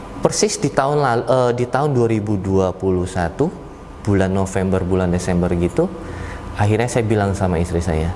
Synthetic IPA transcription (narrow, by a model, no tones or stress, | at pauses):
pərsɪsdit̪aʊnlalʔədit̪aʊnduaɾibuduapuluhsat̪u | b̥ulanːofɛmbərbulandesɛmbərɡit̪u | aɦirɲasajabilaŋsamaist̪ɾisa̰ja